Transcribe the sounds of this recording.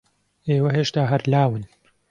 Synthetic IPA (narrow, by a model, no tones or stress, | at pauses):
eːwɐɦeːʃt̪aːɦɐɾlaːwɨn